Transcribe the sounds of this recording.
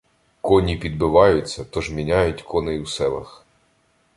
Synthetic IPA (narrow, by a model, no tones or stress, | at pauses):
kɔnʲipʲid̪̚bɪʋɑjʊt͡sʲːɐt̪ɔʒmʲinʲajʊtʲkʰɔnejwsɛlˠɐ̰x